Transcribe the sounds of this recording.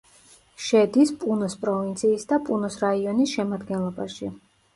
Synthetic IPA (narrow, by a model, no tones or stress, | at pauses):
ʃɛd̪ispʼunɔspʼɾɔvint̪sʰiːsd̪apʼunɔsɾaiɔnisʃɛmad̪ɡɛnlˠɔbaʃi